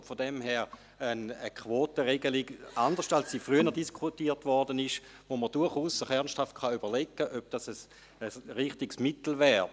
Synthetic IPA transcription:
fodɛmɦɛːʁ | ənəkʰʋoːtəʁeɡəlɪɡandəʁʃtalsːiːfʁyənəʁdiskʰutiːtʋɔʁdənɪʃ | voməʁd̥ʊɐχuːsːəχɛɐnsthaft̚kχɑyb̥ɐʁlɛkːəʔøb̥̚d̥ɑsəs | əsʁiχtɪɡsmɪtl̩vɛːʁ

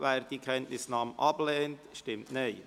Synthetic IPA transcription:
vɛːɾd̥ikʰɛntnɪsnɑːmʔɑblɛːntʃtɪmtneɪ

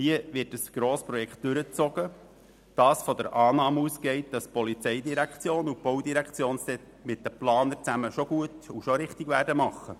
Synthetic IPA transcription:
hiəʋɪt̚dəsɡ̥ɾoːspɾɔjɛkχt̚d̥ʉɾət͡sɔɡ̥ə | d̥ɑːsfɔd̪əɾʔɑːnɑːmusɡ̥ɛɪtd̥ɑspɔlit͡sɛjdiɾækχt͡sjoːnub̥owdiɾækt͡sjoːnsd̥̪ɛ | mɪt̚d̥əplɑːnəɾt͡sæməʃoɡ̥uətuʃoɾɪχt̪ɪɡʋæːrdəmɑχːə

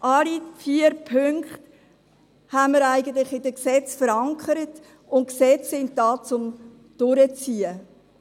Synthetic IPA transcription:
ʔɑlifiəɾpʰøŋkχt | hænməɾæɪɡənt̪lɪχɪdəksɛt͡sfəɾɑŋkʰχəɾət | ʊn̚ksɛt͡ssɪnt̚dɑːt͡sʊm | d̥ʊɾət͡siːə

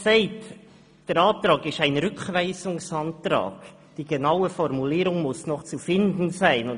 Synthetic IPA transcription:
sɛɪt | d̥əɾɑːt̪ɾɑːɡɪʃæɪnɾʏkχvæɪsʊŋsɑntɾɑ̰ːɡ̥ | d̥iːɡ̥enɑʊəfɔɾmuliːɾʊŋmʊsnɔχt͡sufɪndn̩zæɪnʊn

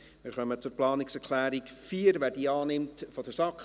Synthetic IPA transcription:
mɪːɾχœmət͡sʊɾplɑːnɪksɛɾkʰlæːɾikfiːəɾʋæːɾdiːɑːnɪmtfɔdəɾsɑkχ

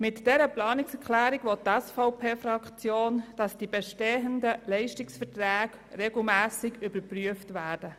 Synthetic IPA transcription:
mɪtd̥ɛɾəplɑːnɪksɛɾkʰlæːɾɪɡʋɔttɛsfɔʊpʰeːfɾɑkt͡sjoːnd̥ɑsd̥ibɛʃteːəndəlɛɪʃtɪksfətɾæːɡ | rɛɡl̩mæːsɪɡybəɾpryəftʋæːɾd̥ə

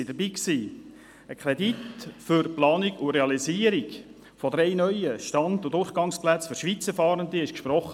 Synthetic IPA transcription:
id̥əɾbiːksiː | əkʰɾɛditfʏɾplɑːniɡʊɾeɑliziːəɾiɡ | fɔd̪ɾɛɪnœʏjəʃtɑndʊdʊrχɡ̥ɑŋsplæt͡sfʏɾʃʋit͡səɾfɑːɾənd̪iɪʃkʃpɾɔχə

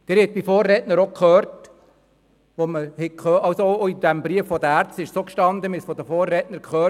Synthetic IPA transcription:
d̥ɪːɾhɛt̪̚b̥ifoːrːɛtnəɾokʰχøːɾt | ʋoməhɛkχøːɑwsoooid̥̪æmbɾiəfːɔd̪əæɾt͡stɪʃsokʃtɑnd̪əmɪsfɔd̪əfoːrːɛtnəɾkχøː

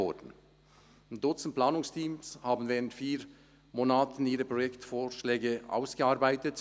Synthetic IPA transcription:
ɔdn̩ | ndʊt͡sn̩t̚plaːnʊŋstʰiːmshaːbn̩vɛːʁəntfiːʁ | moːnaːtn̩iːʁəpʁojɛktfoːʃlɛːɡəʔa̰ʊsɡ̥əaːʁbaɪtət

